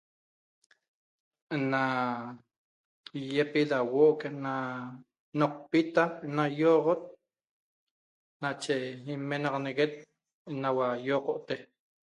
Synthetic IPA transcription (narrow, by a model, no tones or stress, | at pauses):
na | jepilawoʔkena | noq̚pit̪anajoːʁot̪̚ | nat͡ʃeimːenɑʁɑneɣet̪̚ | nawajoːqoʔt̪e